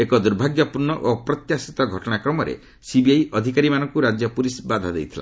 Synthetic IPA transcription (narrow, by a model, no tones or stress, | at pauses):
ekɔd̪uɾbʱaɡjɔpuɾnɔʔopɾɔt̪jasit̪ɔɡʱɔʈɔɽ̃akɾɔmɔɾḛ | sibiajʔɔd̪ʱikaɾimanɔŋkuɾad͡ʒjɔpulisbad̪ʱad̪ejt̪ʰila̰